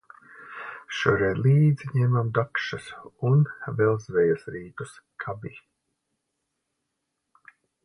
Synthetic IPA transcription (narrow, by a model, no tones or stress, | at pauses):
ʃuɾɛjd̪lˠiːd̪ziɲɛmamd̪akʃasunvɛlˠzvɛjasɾiːt̪uskʰabi